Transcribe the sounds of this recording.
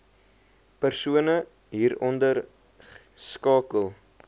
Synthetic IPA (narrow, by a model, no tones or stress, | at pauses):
pərsuənə | ɦiːɾɔndər | skɑːkəlˠ